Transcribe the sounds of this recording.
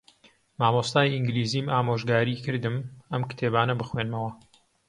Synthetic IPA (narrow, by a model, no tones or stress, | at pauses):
maːmost̪aːjʔiŋɡliːziːmaːmoːʒɡaːɾikɨɾd̪ɨmɐmkɨ̥t̪ʰeːbaːnɐbɨxwenmɐwɐ